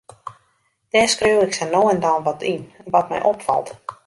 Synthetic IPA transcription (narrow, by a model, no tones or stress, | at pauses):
d̥ɛːskriwɪksənoːəndɔnʋɔtʰinʋɔt̚mɛ̰jʔopfɔ̰lˠt